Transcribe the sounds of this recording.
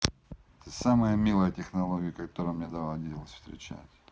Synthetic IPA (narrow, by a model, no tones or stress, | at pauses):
ɛt̪əsaməjəmʲilˠəjətʲɪxnɐlˠoɡʲɪjəkɐt̪oɾəjmnʲed̪ɐvalˠd̪ʲitʲɪlˠəsʲfst̪ɾʲɪ̰t͡ɕæ̰tʲ